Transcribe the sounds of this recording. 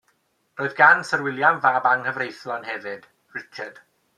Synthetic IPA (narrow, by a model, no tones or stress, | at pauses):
roːɨðɡansərwɪlˠjamvaːbaŋhəvrejθlɔnhɛvɨd̥ | rɪt͡ʃʰəd̥